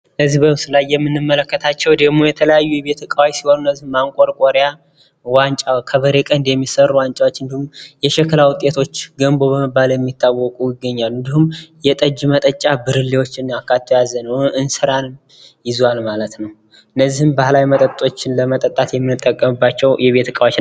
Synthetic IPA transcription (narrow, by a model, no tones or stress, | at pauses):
ləzːihbəmɨsɨlajːɛmːɨnːɨmːələkːət̪ʰat͡ʃːɛwd̪əɡmojɛt̪ʰələjajːujɛbe̞t̪ʰəkʼawajsiwonuɨnːəzːihmaŋkʼoɾkʼoɾja | want͡ʃʼakʰəβəɾekʼənd̪jɛmːisərːuwant͡ʃʼawot͡ʃːɨnd̪ihumjɛʃɛkɨlawʊt̪ʼːe̞t̪ʰo̞t͡ʃːɡəmbo̞βəmɨbːaljɛmːit̪ʰːawːɔkʼujɪɡːəɲːalɨnd̪ihumjɛt̪ʼəd͡ʒmət̪ʼət͡ʃʼabɨɾɨlːiwo̞t͡ʃːɪnakːat̪ʰːojazənəwɨnsɨɾanɨm | jɪzalmalət̪nəw | ɨnːəzːihɨmbahlajmət̪ʼət̪ʼo̞t͡ʃːɪnləmət̪ʼət̪ʼːat̪jɛmːɨnːɨt̪ʼːəkʼːəmɨbːat͡ʃːɛwjɛβe̞t̪ʰəkʼawat͡ʃ